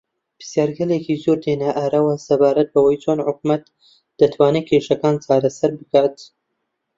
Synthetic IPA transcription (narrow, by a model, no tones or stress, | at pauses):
pɨ̥sjaːɾɡɐleːkizoɾd̪eːnɐʔaːɾɐwɐsɐbaːɾɐt̪̚bɐwɐjt͡ʃʰoːnħʊk̚mɐt̪ | d̪̥ɐt̪ʰwaːneːkʰeʃɐkaːnt͡ʃaːɾɐsɐɾbɨkaːt̪